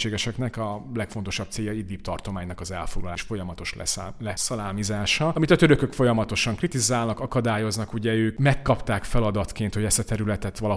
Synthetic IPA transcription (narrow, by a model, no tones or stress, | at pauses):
eːɡɛʃɛknɛkɒlɛkfo̞nt̪o̞ʃɒb̚t̪seːjːɒid̪iːpt̪ɒrt̪o̞maːɲnɒkɒzɛlfo̞ɡlɒlaːʃfo̞jɒmɒt̪o̞ʃlɛ̰lɛsɒlaːmizaːʃɒɒmit̪ɒt̪ø̞ɾø̞kø̞kfo̞jɒmɒt̪o̞ʃɒŋkrit̪izaːlnɒkɒkɒd̪aːjo̞znɒkuɟɛøːkmɛkːɒpt̪aːkfɛlɒd̪ɒt̪keːnt̪ho̞ɟɛst̪ɒt̪ɛɾylɛt̪ɛt̪ʋɒlɒ